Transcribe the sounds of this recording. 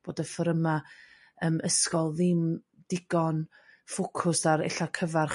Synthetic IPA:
b̥oːdəfəɾəma | əːmʔəskɔlˠðɪm | d̥ɪɡɔn | fʊkʰʊsaɾɛ̰ɬakʰəvarχ

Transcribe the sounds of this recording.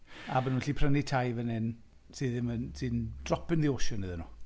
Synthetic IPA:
abənunɬiːpʰrənitʰajvənɪn | sɨðɪmənsɨnd̥rɔpʰɪnðioːʃɔnɨðənu

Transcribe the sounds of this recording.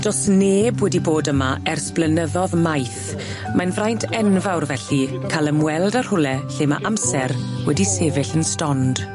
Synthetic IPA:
d̥ɔsneːbwɛdiboːdəmaɛrsplənəðɔðmajθ | manvrajntʰɛnvawrvɛɬikʰalˠəmwɛlˠdar̥hʊlɛɬeːma̰ʔamsɛrwɛdiseːvɪɬənstɔnd̥

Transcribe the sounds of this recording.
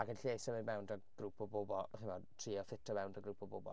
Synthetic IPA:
aɡənɬeːsɔmɪnmɛwndɔɡ̥ruːpʰɔboːbɔlˠχɪmɔtʰriːɔfɪtʰɔmɛwndɔɡɾuːpʰɔboːbɔ̰lˠ

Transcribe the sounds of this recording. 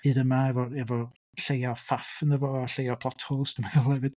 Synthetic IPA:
ɨːdəmaɛvɔɛvɔ | ɬejɔfafənðəvɔaɬejɔpʰlˠɔtʰhoːlˠsd̥əmaðɛlˠɛvɪd̥

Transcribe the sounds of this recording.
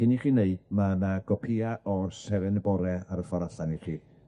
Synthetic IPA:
ɪniχiːneɨdmanaɡɔpʰiaɔsɛvɛnɛbɔɾɛaɾəfɔɾaɬaniχiː

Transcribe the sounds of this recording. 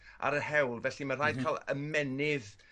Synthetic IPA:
ʔa̰ɾəhɛwlˠvɛɬimar̥ajd̥kʰalˠə̰mɛnɪð

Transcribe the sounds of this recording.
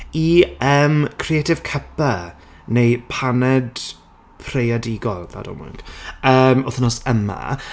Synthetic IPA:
iəːmkʰrietʰɪv̥kʰəpə | nejpʰanɛd̥ | pʰrejadɪɡɔlˠða̰dɔ̰mʊ̰ŋɡ̥əːmɔθənɔsəma̰

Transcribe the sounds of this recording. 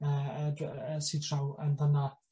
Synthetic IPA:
ədsidʰrawə̰nðəna

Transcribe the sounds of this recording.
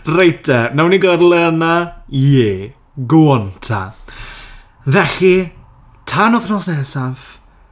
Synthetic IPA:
rejtʰɛnɛwniɡərlˠɛnajeː | ɡwɔntʰa̰ | vɛɬi | tʰanɔθnɔsnɛsav

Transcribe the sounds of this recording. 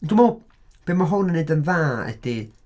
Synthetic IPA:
ndumow | b̥emaɦɔnənejdənvaːɛ̰d̥i

